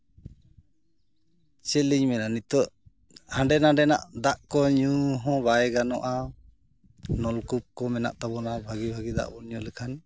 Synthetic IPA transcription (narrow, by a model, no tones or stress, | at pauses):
t͡ʃɛliɲmɛnanit̪ɔʔ | hãɳɖɛnaɖɛna̰ʔd̪aʔkɔɲuɦɔ̃baɛɡanɔʔa | nɔlkup̚kɔmɛna̰ʔt̪abɔnabʱaɡibʱaɡid̪a̰ʔbɔnɲɔləkʰan